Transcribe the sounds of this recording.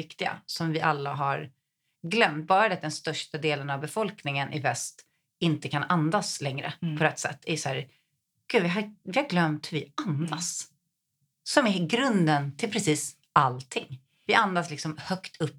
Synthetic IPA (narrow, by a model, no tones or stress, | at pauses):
ɪkt̪ɪɡa̰sɔmvɪʔalːaɦaɾ | ɡlœmt̪̚bɑːɾad̪ɛt̪̚d̪ɛnst̪œʂʈad̪eːlənavbɛfɔlknɪŋənʔɪvɛst̪ | ɪnt̪əkʰanand̪aslɛŋɾə̰pʰɔɾɛt̪ːsɛ̰t̪ʰːæɾjshæːɾ | ɡ̥ʉːvɪɦavɪhaɾɡlœmt̪hvɪand̪as | sɔmɛɡɾɵnd̪ənt̪ʰɪlpʰɾɛsiːs | alt̪ʰɪŋː | vɪʔand̪aslɪksɔmhœkt̪ʰɵpː